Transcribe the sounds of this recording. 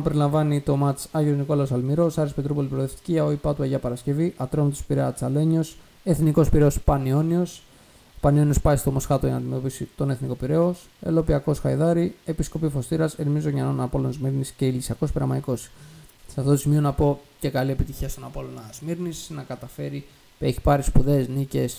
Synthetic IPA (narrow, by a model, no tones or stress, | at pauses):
ɐpeɾilɐɱvɐnit̪o̞mɐt͡ssɐʝiozniko̞lɐosɐlmiɾo̞sɐɾispet̪ɾupolipɾoðeft̪i̥ciɐoipɐt̪uɐʝɐpɐɾɐsce̞viʔɐt̪ɾomit̪o̥spiɾeɐt͡sɐle̞ɲo̞s | e̞θniko̞spiɾe̞o̞spɐnio̞nio̞s | pɐnio̞nio̞spɐist̪o̞mosxɐt̪oenɐnd̪ime̞t̪o̞pisit̪o̞ne̞θniko̞piɾe̞os | e̞̰lo̞piɐko̞sxɐjðɐɾie̞pisko̞pifo̞st̪iɾɐsenmizoʝɐnonɐpo̞lonzmiɾnisce̞ilisiɐko̞spiɾɐmɐiko̞ssɐft̪ot̪o̞simio̞nɐpo̞ce̞kɐliepit̪içiɐst̪onɐpo̞lo̞nɐzmiɾnisnɐkɐt̪ɐfe̞ɾi | eçi̥pɐɾispuðe̞znice̞s